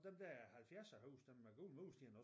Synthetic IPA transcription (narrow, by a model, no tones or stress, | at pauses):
d̥emd̥̪æhælfjæɐsɐhuːsd̥emæɡ̥uːl̩ˠmuːsd̥inɔ